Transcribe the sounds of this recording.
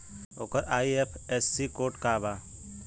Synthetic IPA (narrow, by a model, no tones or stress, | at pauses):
oːkəɾaːiepʰesːikoːʈkaːbaː